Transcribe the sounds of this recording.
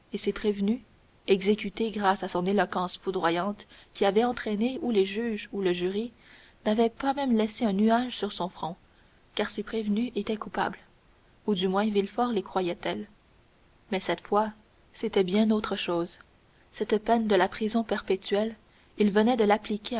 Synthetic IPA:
esepχevny | ɛɡzekʲyt̪eɡʁasasɔ̃nelɔkɑ̃sfud̪ʁwajɑ̃t̪kʲiavɛɑ̃t̪χɛneuleʒyːʒuləʒyʁi | navɛpamɛ̃mlɛseœ̃nyaʒsyʁsɔ̃fχɔ̃ | kaʁsepχevnyʔet̪ɛkupa̰bl | ud̪ymwɛ̃vilfɔʁlekχwajɛt̪ɛl | mɛsɛt̪fwa | set̪ɛbjɛ̃not̪χəʃoːz | sɛt̪pɛnd̪əlapχizɔ̃pɛʁpet̪ɥɛl | ilvənɛd̪əlaplikʲe

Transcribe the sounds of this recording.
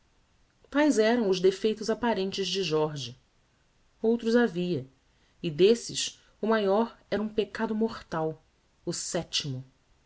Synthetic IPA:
t̪ajzɛɾɐ̃w̃ʊzd̪efejt̪ʊzapaɾẽnt͡ʃɪzd͡ʒɪʒɔɾʒɐ | owt̪ɾʊzaviɐ | ɪd̪esɪs | ʊmajɔɾɛɾɐũpekad̪ʊmoχt̪aw | ʊsɛt͡ʃimʊ

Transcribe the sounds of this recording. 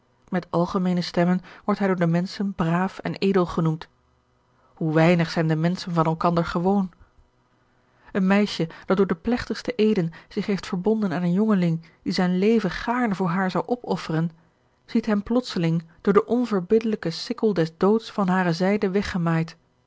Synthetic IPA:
mɛtɑlˠχəmejnəstɛmənʋɔɹtɦɛjdʊːɹdəmɛnsənbraːfɛ̰nʔejdəlˠχənumt | huʋɛjnəχsɛjndəmɛnsənvɑnɛlˠkɑndəɹχəʋown | ʔənmɛjʃəd̥ɑt̚dʊːɹdəplɛχtəχstəʔejdənz̥ɪχɦejftfəɹbɔndənaːnənjɔŋəlɪŋ | d̥izɛjnlejvəχaːɹnəvʊːɹɦaːɹzɑwʔɔpɔfərən | z̥itɦɛmplɔtsəlɪŋd̥ʊːɹdəʔɔnvəɹbɪdələkəsɪkəlˠdɛsdowtsfɑnɦaːrəzɛjdəʋɛχəmaːjt

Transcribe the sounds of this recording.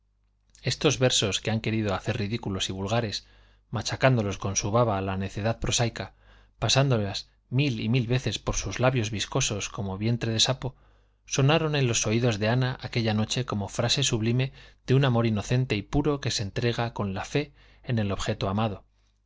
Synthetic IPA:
e̞st̪o̞zβe̞ɾso̞skeaŋke̞ɾiðo̞aθe̞riðikulo̞siβulɣaɾe̞s | mat͡ʃakand̪o̞lo̞sko̞nsuβaβaːlane̞θe̞ðað̚pɾo̞sajka | pasand̪o̞las | milimilβe̞θe̞spo̞ɾsuzlaβjo̞zβisko̞so̞sko̞mo̞βje̞nt̪ɾe̞ð̞e̞sapo̞ | so̞naɾo̞nẽ̞nlo̞so̞iðo̞zðe̞anaʔake̞ʎano̞t͡ʃe̞ko̞mo̞fɾase̞suβlime̞ð̥eunamo̞ɾino̞θe̞nt̪e̞ipuɾo̞ke̞se̞nt̪ɾe̞ɣ̞ako̞nlafe̞ː | ne̞lo̞βxe̞t̪oamað̞o̞

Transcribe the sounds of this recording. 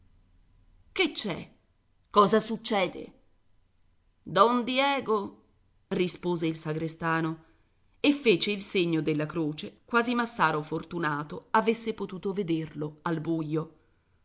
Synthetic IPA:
ket͡ʃːɛ̰ | kɔːzasut͡ʃːɛːd̪ḛ | d̪ɔnd̪jɛːɡo | rispoːzeilsaɡɾest̪aːno | efːeːt͡ʃeilseɲːod̪elːakɾoːt͡ʃekwaːzimasːaːɾofort̪unaːt̪oavesːepot̪uːt̪oved̪erloalbujːo

